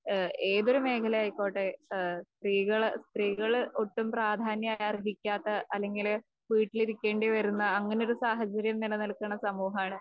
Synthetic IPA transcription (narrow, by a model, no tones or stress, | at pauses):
e̞ːðo̞ɾume̞ːkʰɐlɐjaːjiko̞ːʈːest̪riːɣɐɭst̪riːɣɐɭoʈːumpraːd̪ʱaːnjɐmaːjariɦikʲːaːt̪ːɐʔɐlːe̞ŋɡil | ʋiːʈːiliɾikʲːe̞ːɳɖeʋɐɾunːɐɐŋːɐneoɾusaːɦɐt͡ɕːɐɾjɐmninenɐɭkːɐɳːɐsɐmuːɦɐmaːɳɨ